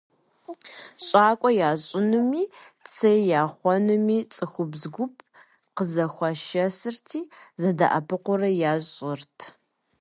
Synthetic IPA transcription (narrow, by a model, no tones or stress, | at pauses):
ɕʼaːkʷʼɔjaːɕʼɪnɨmiː | t͡sʰɐjjaːχʷɔnɨmiːt͡sʼɨxʷʊbzɡʷʊpʰ | qəzɐxʷɑʃɐsɨrtʰiːzɐdɐʔɐpʰɨqʷʊrɐjaːɕʼɪrtʰ